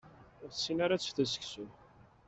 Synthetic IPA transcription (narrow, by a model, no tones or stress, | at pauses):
ʊɾθsːinaɾat͡sːθæsə̥ksu